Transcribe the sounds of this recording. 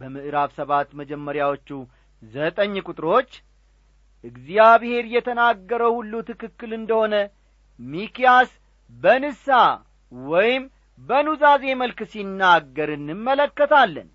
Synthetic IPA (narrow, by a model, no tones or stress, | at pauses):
bəmɨʔɨɾaβsəβat̪məd͡ʒɛmːəɾjawo̞t͡ʃːu | zət̪ʼəɲːkʼʊt̪ʼɾo̞t͡ʃː | ʔɨɡzijaβhe̞ɾjɛt̪ʰənaɡːəɾəwhulːut̪ɨkɨkːɨlɨnd̪əho̞nə | mikijas | bənɨsa | wɔjɪm | bənuzaze̞məlksinːaɡːəɾɨnːɨmːələkːət̪ʰalːə̰n